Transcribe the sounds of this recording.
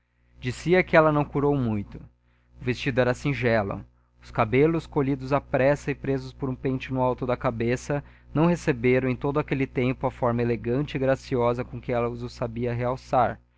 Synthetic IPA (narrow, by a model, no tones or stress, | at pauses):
d͡ʒisiɐkɪɛlɐnɐ̃w̃kuɾowmũj̃t̪ʊ̥ | ʊvest͡ʃid̪ʊɛɾɐsĩʒɛlʊ̰ | ʊskabelʊskoʎid̪ʊzɐpɾɛsɐɪpɾezʊspoɾũpẽt͡ʃɪnʊawt̪ʊd̪ɐkabesɐ | nɐ̃w̃ɦesebeɾɐ̃ẽj̃t̪od̪ʊakelɪt̪ẽmpʊɐfɔɾmɐeleɡɐ̃nt͡ʃɪɪɡɾasiɔzɐkõkɪɛlɐʊzʊsabiɐɦeawsaɾ